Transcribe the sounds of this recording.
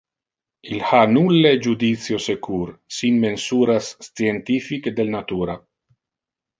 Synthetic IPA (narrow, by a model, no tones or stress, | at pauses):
ilhanulːed͡ʒud̪it̪sjosekʰuɾsinmensuːɾast͡sjent̪ifikd̪elnat̪uːɾa